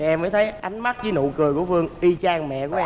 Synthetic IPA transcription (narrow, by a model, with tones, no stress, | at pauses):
ʔɛ˧məː˨˦jt̪ʰə˨˦jʔa˨˦jŋ̟ma˦˥t̚t͡ɕi˧˨˦no̰˧˨kɨ˨˩əjkṵ˧˩əfɨ˧əŋʔi˧t͡ɕaː˧ŋmɛ̰˧˨ku˧˩˦ʔɛ˧